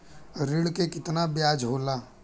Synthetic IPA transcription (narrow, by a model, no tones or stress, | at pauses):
ɾɪɽkekɪt̪nabjaːd͡ʒɦoːlaː